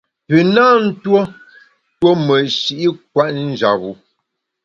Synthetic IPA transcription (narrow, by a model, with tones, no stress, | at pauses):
pə˨naː˦n̩˦two˦ | two˦mə˨ʃi˨ʔi˦k̚wa˦ʔn̩˦d͡ʒa˨bu˨